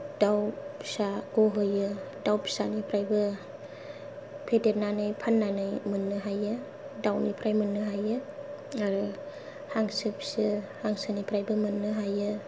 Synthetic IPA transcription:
d̥awsaɡ̥oɦɯjɯ | dawpsanipʰɾajbɯ | pʰedeɾnanɯjpʰanːanɯjmɯnːɯɦajɯ | dawnipʰɾajmɯnːɯɦajɯ | aɾɯ | haŋsɯp̚sɯhaŋsanipʰɾajbɯmɯnːɯɦajɯ

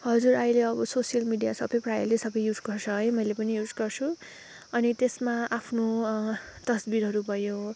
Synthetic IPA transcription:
ɦʌd͡zuɾʌjleʌbʌsosijʌlmiɖijasʌbʌjprajʌlesʌbʌjjud͡zɡʌrt͡sʰʌɦʌjmʌjlepʌnijud͡zɡʌrt͡sʰu | ʌnit̪esmaʔapʰno | t̪ʌsbiɾɦʌɾubʱʌjo

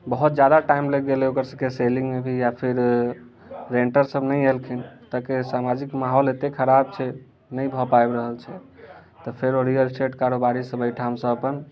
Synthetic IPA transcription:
bəɦut̪̚d͡ʒjad̪aʈaimleɡɡeleokəɾsəkeselĩŋɡmebʱijapʰiɾ | ɾeɳʈəɾsəbnəjelkʰint̪əkesamad͡ʒikmaɦɔlet̪ekʰəɾabt͡ʃʰɛ | nəjbʱɔpaebɾəɦəlt͡ʃʰɛ | t̪ɔpʰeɾoɾijəlsʈeʈkaɾobaɾisəbəjʈʰaɦəmsə̃əpən

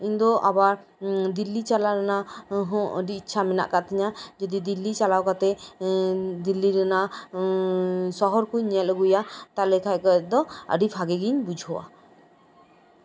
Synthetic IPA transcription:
iɲd̪ɔʔabaɾ | d̪ilːit͡ʃalaɾanaɦɔ̃əɖiːtːt͡ʃʰamɛna̰ʔkat̪ɛɲad͡ʒɔd̪id̪ilːit͡ʃalawkat̪ɛ | d̪ilːiɾɛna | sɔɦɔɾkuɲːɛt̪̚əɡujat̪alɛkʰajkɔɛt̚d̪ɔə̰ɖipʰaɡɛɡiɲbud͡ʒʱɔwa̰

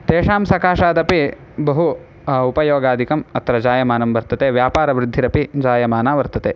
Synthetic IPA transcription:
t̪eːʂaːmsɐkaːʂaːd̪ɐpi | bɐɦu | upɐjoːɡaːd̪ʱikɐmɐt̪ɾɐd͡ʒaːjɐmaːnɐmʋɐɾt̪ɐt̪eːʋjaːpaːɾɐʋɾɪd̪ʱːiɾɐpid͡ʒaːjɐmaːnaːʋɐɾt̪ɐt̪eː

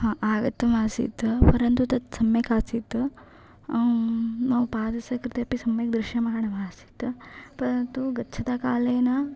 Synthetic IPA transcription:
hãːʔaːɡɐt̪ːɐmaːsḭt̪ɨpɐɾɐnt̪ut̪ɐt̪sɐmjɐkaːsit̪ːɨ | nɐːʋupaːd̪ɐsɐkɾɪt̪jɐpisɐmjɐk̚d̪ɾuʃjɐmɐɦɐɳɐʋaːsi̥t̪ːɨpɐɾɐnt̪uɡɐːt͡ʃʰɐt̪akaːleːnɐ

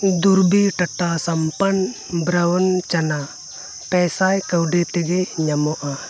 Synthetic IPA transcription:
d̪uɾbiʈɐʈasɐmpən | bɾəwənt͡ʃana | pɛsajkəwɖɛt̪ɛɡɛɲamɔʔa

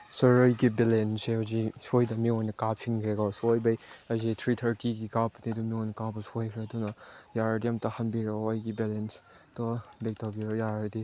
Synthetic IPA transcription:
sɐɾəjɡibelensehuzisojdɐmiɔjnɐkapʰiŋkʰɾeɡawsojbɐjɐzitʰɾitʰɐɾtiɡikapnidumiɔjnɐkabɐsojkʰɾedunɐjaɾdiɐmtɐhɐnbiɾɔəjɡibelens | tɔbek̚tabiɾɔjaɾɐdi

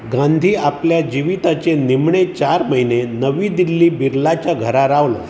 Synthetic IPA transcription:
ɡãnd̪ʱiːapljad͡ʑiʋit̪at͡ɕenimɳet͡ɕaɾməinenəʋiːd̪ilːiːbiɾlat͡ɕjaɡʱəɾaɾaʋlə̰

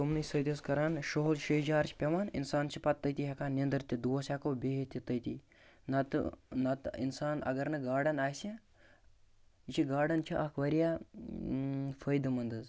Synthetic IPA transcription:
tomnɨsɐjd̪ʲiskɐɾaːnʃoɦlʃəjd͡ʒaːɾt͡ʃʰpʲɐʋaːnḭnsaːnt͡ʃʰipɐt̪ːəjt̪iɦɐkaːnend̪ɾt̪ʲid̪uosʲakoːbʲeɦit̪ʲit̪əjt̪i | nɐt̪nɐt̪ḭnsaːnɐ̰ɡɐɾnɐɡaːɽɐnaːjsʲe | it͡ʃʰiɡaːɖɐnt͡ʃʰiʔɐkʰʋɐɾija | fʰəjd̪mɐnd̪ɨz

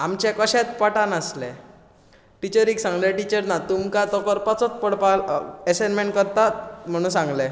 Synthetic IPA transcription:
amt͡ɕɛkəɕɛt͡spaʈanəsle | ʈit͡ɕəɾiksãŋɡleʈit͡ɕəɾnat̪umkat̪ɔkəɾpat͡sɔt͡spəɽpaɛsenmeɳʈkəɾt̪am̤əɽ̃ũːsãŋɡle

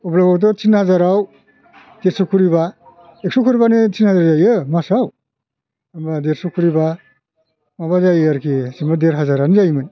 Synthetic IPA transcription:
ɔblabawt̬ɔt͡ʃʰinhazaɾaw | d̥eɾsɔkʰuɾiba | ek̚sɔkʰuɾibanetʰinhazaɾzajɯmasaw | ambadeɾsɔkʰuɾiba | mabazajaɾkʰisimbadeɾɦazaɾanizajmɯn

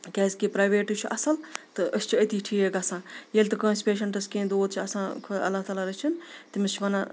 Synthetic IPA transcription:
kʲɛːzkipɾaːʋeːʈut͡ʃʰuʔɐsɐlt̪ɨʔɐst͡ʃʰuɐt̪iːʈʰiːekɐsãːjeːlʲt̪ɨkoːsʲpeːʃ̬ɐɳʈɐskẽːd̪oːd̪̚t͡ʃʰiɐsãːkʰoɐ̰lːaːɦt̪aːlaːɾɐt͡ʃʰint̪imɐst͡ʃʰʋɐna

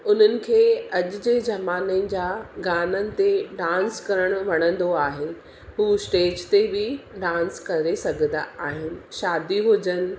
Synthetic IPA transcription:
ʊn̤ənɪ̆kʰeːɐʄʊ̆d͡ʑeːd͡ʑɐmaːnəd͡ʑaːɡaːnənɪ̆t̪eɖãːnskɐɾəɽ̃ʊʋɐɽ̃ə̃nd̪oaːɦe | ɦuːsʈeːd͡ʑt̪ebɪɖãːnskɐɾesɐɡʱə̃nd̪aʔaːɦɪnɪ̆ʃaːd̪iɦʊd͡ʑən̆

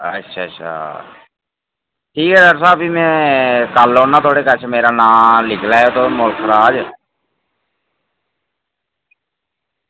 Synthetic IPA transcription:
ə̰tːʃʰaːət͡ʃʰa̰ː | ʈʰiːkɛːd̪əɾsaːbiːmɛ̃ːkəlõːnãːt̪ʰoːɽeːkət͡ʃʰmeːɾaːnãːlɪkʰlaːet̪oːmʊlkʰɾaːd͡ʒ

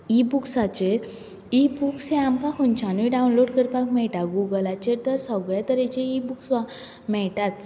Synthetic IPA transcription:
ibuksat͡ɕeɾ | ibuksẽamkãkʰɔnt͡ɕanʋiɖaunloɖkəɾpakmɛɭʈaɡuɡəlat͡ɕeɾt̪əɾsɔɡɭɛt̪əɾet͡ɕeibuksʋa | mɛɭʈat͡s

